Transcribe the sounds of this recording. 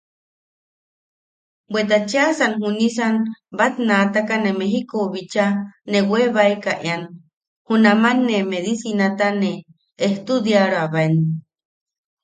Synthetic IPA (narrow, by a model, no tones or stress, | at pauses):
bwet̪̬at͡ʃeasanhunis̬anbat̪nat̪akanemeɦikoβit͡ʃaneweβaekaʔean | hunamanːemeðisinat̪aneː | ht̪ud̪jaɺoaβaen